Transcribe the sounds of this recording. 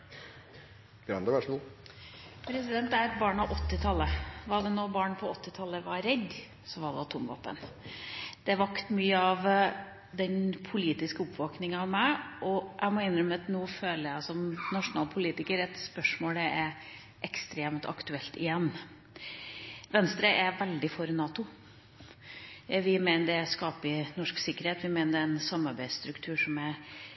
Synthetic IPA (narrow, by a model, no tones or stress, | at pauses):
ɡ̥ɾɑ̰nd̪əʋæʂmuːl | pʰɾɛsɪd̪ɛnt̪æɪɛt̪bɑːɳɑʋʔɔt̪ːɪt̪ʰɑlːəʋɑɾd̪ɛnoːbɑːɳpʰɔɔt̪ːɪt̪ʰɑlːəʋɑɾɛd̪ | sɔʋɑɾd̪ɛʋɑt̪ʰʊmʋɑ̰ːpːə̰n | d̪̥ɛʋɑkt̪myːəɑʋ | d̪ɛnpʰʊliːt̪ɪskəʊpʋoːknɪŋəɑʋmæɪʔɔʔæ̰ɪmɔɪnːɾœmːəɑt̪nuːføːləɾjæɪsɔmnɑʂʊnɑːlpʰʊliːt̪ɪkəɾɛt̪spœʂmoːlɛɛɾ | ʔɛkst̪ɾeːmt̪ʰɑ̰kt̪ʉɛlt̪ɪ̰jɛnː | ʋɛnst̪ɾəʔɛʋɛld̪ɪfɔɾnɑːt̪ʊ | ʋɪmeːnəɖɛskɑːpɪnɔʂksɪkːəɾheːt̪ʋɪmeːnədɛɛnsɑmːɑɾbæɪst̪ɾʉkt̪ʰʉːʂɔmæ